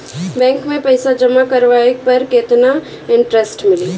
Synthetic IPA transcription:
bɛ̃ːŋkmẽpɐɪsad͡ʒəmakɐɾʋaːekpɐɾkeːt̪na | ɪ̃ɳʈɾesʈmɪliː

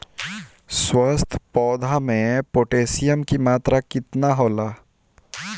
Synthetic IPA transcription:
swəst̪ʰpɔːd̪ʱamẽpoːʈeːsijəmkimaːt̪ɾakɪt̪naɦoːlaː

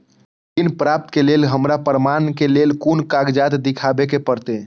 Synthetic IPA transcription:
d̪inpɾap̚t̪kelelɦəmɾapəɾmankelelkunkaɡd͡ʒat̪d̪ɪkʰabekepəɾt̪e

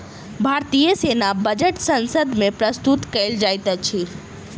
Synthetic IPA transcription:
bʱaːɾt̪ijəseːnabəd͡ʒəʈsə̃nsəd̪mẽpɾəst̪ut̪kɛɪld͡ʒaːjt̪at͡ʃʰi

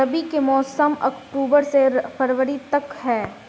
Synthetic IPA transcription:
əbikemɔːsəmɐ̰kʈuːbəɾsepʰəɾʋəɾit̪ɐkɦɛː

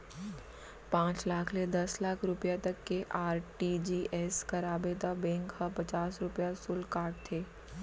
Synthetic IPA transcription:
pãːt͡ʃlaːkʰled̪ɐslaːkʰɾʊpjat̪ɐkːeʔaːɾʈiːd͡ʒiːʔɛːskɐɾaːbed̪abɛ̃ːŋkhapɐt͡ʃaːsɾʊpjasʊlkaːɾʈt̪ʰeː

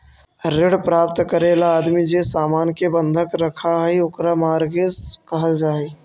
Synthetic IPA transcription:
ɾeɽpɾaːp̚t̪kəɾelaːd̪mid͡ʒesaːmaːnkebənd̪ʱəkɾəkʰaɦioːkɾamaːɾɡezkəɦəld͡ʒaːe

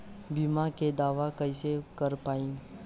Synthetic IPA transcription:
bimãked̪aːʋakəɪsekəɾpaːĩː

